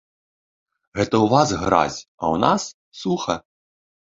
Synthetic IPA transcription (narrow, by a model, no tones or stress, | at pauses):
ɣɛt̪ɐwvazɣɾa̰zʲɐ̰wnasː | uxɐ